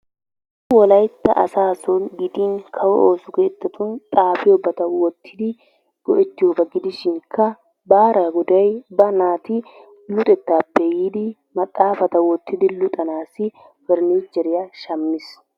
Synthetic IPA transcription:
ʊwɔlɐjt̪ːɐ̰ʔɐ̰saːsɔnɡɪd̪inkʰɐwɔʔoːsʊɡeːt̪ːɐt̪ʊnt̪ʼaːfɪjɔbɐt̪ɐwɔt̪ʰːɪd̪ɪ | ɡ̥ɔʔɛt̪ːɪjoːbɐɡɪd̪ɪʃɪŋkʰːɐ | baːɾɐɡʊd̪ɐjbɐnaːt̪ɪ | lʊt̪ʼɛt̪ːaːbɛjiːd̪ɪ | mɐt̪ʼːaːfɐt̪ɐwɔt̪ʰːɪd̪ɪlʊt̪ʼɐnaːsɪ | fɛɾniːd͡ʒːɛɾɪjaʃɐmːɪs

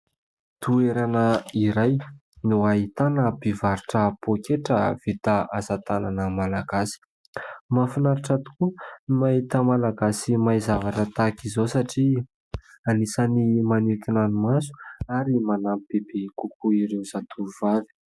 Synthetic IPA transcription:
t̪ueɾanəiɾajnuait̪anəb̥ivaɾiʈ͡ʂəpokeʈ͡ʂəv̥it̪aazat̪ananəmalaɡasi̥ | mafinaɾiʈ͡ʂat̪u̥kumaɦit̪əmalaɡasimajzavaʈ͡ʂət̪akizowsaʈ͡ʂi | anisənimanut̪inanimasu̥aɾimanamib̥eb̥ekukuiɾewzat̪ʰuɾuv̥avi̥

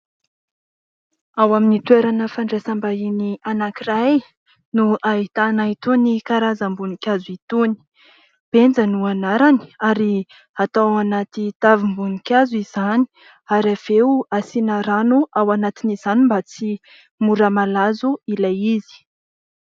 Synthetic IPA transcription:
awaminit̪weɾanəfaɳɖ͡ʐesambainianakiɾaj | nuʔait̪anait̪unikaɾazəmbunikʲazuit̪uni̥ | b̥end͡zanuanaɾani̥aɾi | at̪awanat̪it̪avimbunikʲazuizani̥ | aɾav̥euasinaɾanuʔawanat̪iniz̥animbat͡si | muɾəmalazuilajizi̥

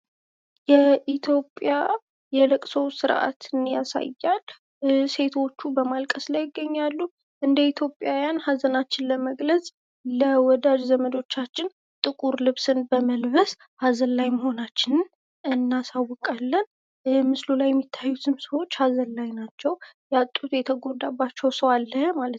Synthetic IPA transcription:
jɛʔit̪ʰjo̞pʼːja | jɛləkʼsowsɨɾʔa̰t̪ʰɨnjasa̰jːal | se̞t̪ʰo̞t͡ʃːubəmalkʼəslajɪɡːəɲːalːu | ʔɨnd̪əit̪ʰjo̞pʼjawjanhazənat͡ʃːɪnləməɡləsʼ | ləwɔd̪ad͡ʒzəməd̪o̞t͡ʃːat͡ʃːɪn | t̪ʼɨkʼuɾlɨβsɨnbəməlβəs | hazəlːajməho̞nat͡ʃːɪnɨn | ʔɨnːasawːɔkʼalːən | mɨslulajːɛmːit̪ʰːajːusɨmsəwo̞t͡ʃːhazəlːajnat͡ʃːɛwjat̪ʼːut̪jɛt̪ʰəɡo̞d̪abːat͡ʃːɛwsəwalːəmalət̪

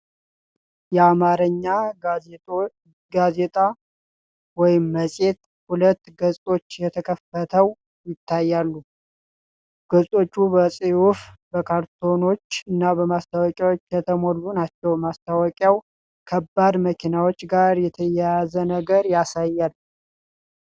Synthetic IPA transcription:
jɛamaɾəɲːa | ɡaze̞t̪ʼa | wɔjɪmːəsʼe̞t̪ | hulət̪ːɡəzʼo̞t͡ʃːjɛt̪ʰəkʰəfət̪ʰəw | jɪt̪ʰːajːalːu | ɡ̥əzʼo̞t͡ʃːubəsʼiufbəkʰaɾt̪ʰo̞no̞t͡ʃːɨnːabəmast̪ʰawɔkʼjawot͡ʃːkʰət̪ʰəmolːunat͡ʃːɛwmast̪ʰawɔkʼjaw | kʰəbːad̪məkʰinawot͡ʃːɡaɾjɛt̪ʰəjɛjjazənəɡəɾjasajːalː

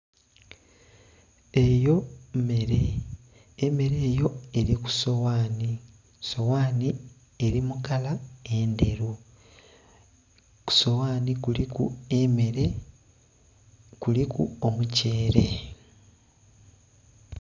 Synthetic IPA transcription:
ejomeɾeː | me̞ɾe̞ːjo̞e̞ɾiku̥sowaːni | so̞waːni | eɾimukalae̞nde̞ɾu | ku̥so̞waːnikulikṵmeɾe | kulikṵomuce̞ːɾe̞

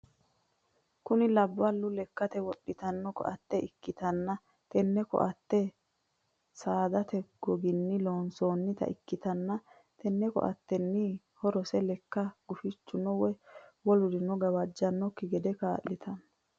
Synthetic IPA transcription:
kʊnɪlɐbːɐlːʊlɛkːɐt̪ɛwɔɗːɪt̪ɐnːɔkɔ̰ʔɐt̪ːɛɪkːɪt̪ɐnːɐ | t̪ɛnːɛkɔ̰ʔɐt̪ːɛ | saːd̪ɐt̪ɛɡ̥ɔɡɪnːɪloːnsoːnːɪt̪ɐ̰ʔɪkːɪt̪ɐnːɐ | t̪ʰɛnːɛkɔ̰ʔɐ̰t̪ːɛnːɪ | hɔɾɔsɛlɛkːɐɡ̥ʊfɪt͡ʃːʊnɔwɛwɔlʊd̪ɪnɔɡɐwɐd͡ʒːɐnːɔkːɪɡɛd̪ɛkaːlːɪt̪ʰɐn

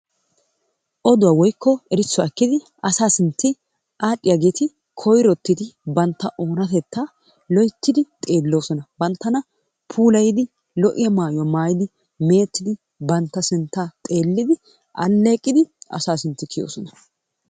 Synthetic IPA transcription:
ʔɔd̪ʊwaːwɔjkːɔɛɾɪt͡sːɔɐkːɪd̪ɪ | ʔɐsaːsɪnt̪ːɪ | ʔaːɗɪjɐɡeːt̪ɪ | kʰɔjɾɔt̪ːɪt̪ɪbɐnt̪ːɐʔo̞ːnɐt̪ɛt̪ːa | lɔjt̪ːɪd̪ɪt̪ʼe̞ːlːo̞ːsɔnɐbɐnt̪ːɐnɐ | pʰuːlɐjɪd̪ɪ | lɔʔɪjɐmaːjwɐmaːjɪd̪ɪ | me̞ːt̪ːɪd̪ɪ | bɐnt̪ːɐsɪnt̪ːat̪ʼe̞ːlːɪd̪ɪ | ʔɐ̰lːe̞ːkʼːɪd̪ɪʔɐ̰saːsɪnt̪ːɪkʰɪjo̰ːsɔnɐ

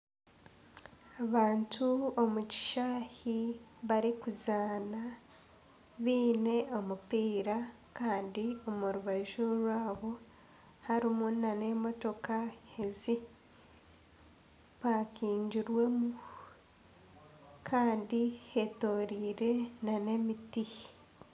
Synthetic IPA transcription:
aβaːntʰuo̞muci̥ʃaːhiβaɾikuzaːna | βiːne̞o̞mupiːɾa | kaːndio̞muɾuβaʒuɾwaːβo̞ | haɾimunane̞mo̞to̞kahe̞zi | βaːkiːɲɟuɾwe̞mu | kʰaːndihe̞to̞ːɾiːɾe̞nane̞miti

